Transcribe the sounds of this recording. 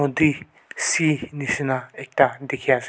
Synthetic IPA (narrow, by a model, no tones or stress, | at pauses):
od̪i | sinɪsnaek̚t̪ad̪ekʰjas